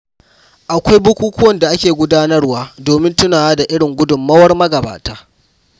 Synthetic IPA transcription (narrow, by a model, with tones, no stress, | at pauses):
ʔa˨kʷa˦jbʊ˦kʷuː˦kʰʊ˦wɐ˦˨nda˨ʔa˦kʲeː˨ɡʷʊ˦daː˦nɐ˦rwaː˦doː˨mɪ˦ntʊ˦naː˨waː˦da˨ʔɪ˦ɽɪ˨ŋɡʷʊ˦dʊ˨mːɐ˦wɐ˦rmɐ˦ɡɐ˨ba̰ː˨taː˦